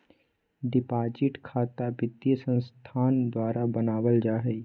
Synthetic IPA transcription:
ɖɪpaːd͡ʒɪʈkʰaːt̪abɪd̪jəsə̃nst̪ʰaːnd̪waːɾabənaːwəld͡ʒaːɦɛ

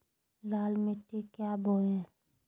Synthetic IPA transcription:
laːlmeʈekjaːboẽ

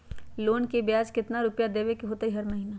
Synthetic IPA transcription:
loːnkebjaːd͡ʒkɪt̪naɾʊpjad̪eːʋekiɦoːt̪aɦiɦɐɾmɐɦiːnaː

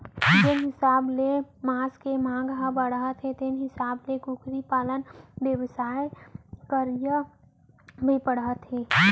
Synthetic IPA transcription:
d͡ʒenɦɪsaːblemaːskemãːŋɡɦəbəɽɦət̪ɦet̪enɦɪsaːblekukʰɾipaːlənbjəwsaːjkəɾjə | bʱipəɽət̪ɦeː

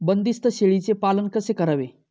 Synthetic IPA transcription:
bənd̪ist̪əɕeɭit͡sepalənkəsekəɾaʋe

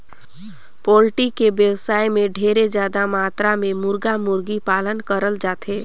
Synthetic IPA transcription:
polʈikebjəwsaːjmeɖʱeɾed͡ʒjad̪amat̪ɾamemuɾɡamuɾɡipalənkəɾəld͡ʒaːt̪e

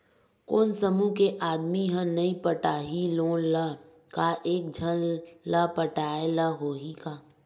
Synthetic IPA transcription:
koːnsəmukeʔaːd̪miɦə̃nɐĩpəʈaːɦiloːnlə | kaʔeːk̚d͡ʒʱənləpəʈaːeləɦoːɦikaː

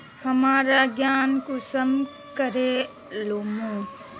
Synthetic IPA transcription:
həmaːɾaɡjaːnkusəm | kəɾe | loːmũ

